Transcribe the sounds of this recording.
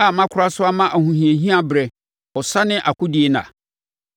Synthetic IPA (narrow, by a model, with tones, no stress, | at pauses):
a˨mã˦kʷʰʊ˦ɾa˦sʊ˦a˦mã˦ʔa˨hũ˨ɦĩ˨ẽ˨ɦĩ˦a˦bɾɛ˨ | ɔ˨sa˦nɪ̃˦ʔa˨kʰʊ˦di˨˦e˦nã̰˨